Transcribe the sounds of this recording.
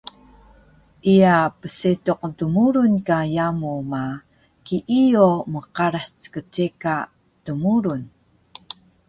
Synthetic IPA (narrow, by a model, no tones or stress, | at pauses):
ʔiapəsetuq̚təmuɾunkajamuma | kiʔijoməqaɾast͡sə̥kət͡ʃeka | təmuɾun